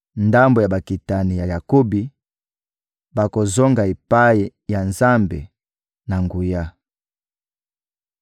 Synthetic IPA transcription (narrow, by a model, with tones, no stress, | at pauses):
nda˦mbo˨ja˨ba˨ki˨ta˨ni˨ja˨ja˨ko˦bi˨ | ba˨ko˨zo˦ŋɡa˨e˨pa˦ji˨ja˨nza˦mbḛ˨ | na˨ŋɡu˨ja˦